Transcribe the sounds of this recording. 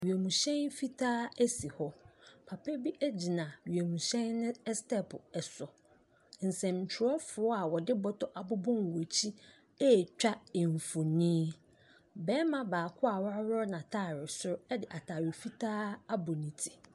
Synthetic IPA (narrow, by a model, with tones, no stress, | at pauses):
ɥi˨æ˨mũ˨ɕɛ̃˦nfi˦tʰaː˦si˨hɔ˦pʰa˨pʰɛ˦bi˦ʔɛ˦d͡ʑi˨nã˨ɥɥæ˨mũ˨ɕɛ̃˦nːɪ̃˦stɛ˦pʰʊ˨ɛ˨sɔ˨ | n̩˨sɛ̃˨m˨t͡ɕᶣʰɪ˨ɾɔ˦fʊ˨ɔ˦a˨wɔ˨dɪ˦bɔ˦tʰɔ˦ʔa˨bʊ˦bɔ̃˦n˨wɔ˨t͡ɕʰi˦ | ɛ˦˨t͡ɕᶣa˦ɪ˨ɱ˨fu˨nĩː˦ | bɛː˦mã˦baː˨kʰʊ˦a˨wa˦wɔ˦nã˨tʰaː˦˨ɾɪ˨sʊ˦ɾɛ˦dɪ˨ʔa˨tʰa˨ɾɪ˨fi˦tʰaː˦a˦bʊ˨nĩ˨tʰi̥˨